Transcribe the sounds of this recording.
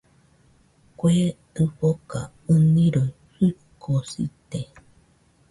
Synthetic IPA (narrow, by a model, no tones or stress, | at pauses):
kwet̪ɨɸoka̰ | ɨnĩɾoi | hɨkːosḭt̪e